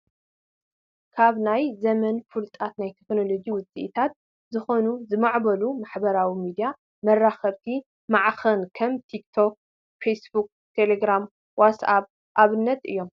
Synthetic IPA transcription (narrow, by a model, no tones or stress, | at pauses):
kʰaβnajzɐmɐnfɨlt̪ʼat̪najt̪ʰekno̞lo̞ɡiwʊt͡sʼḭʔt̪ʰat̪̚ | zɨxo̞nuzɨmaʕbɐlumaħbɐɾawimid̪ija | mɐrːaxɐβt̪ʰi | maʕxɐnkʰɐmt̪ʰikt̪ʰok̚ | fesbuk̚ | t̪ʰe̞leɡɾam | watsaβ | ʔaβɨnːɐt̪ɨ̰jːo̞m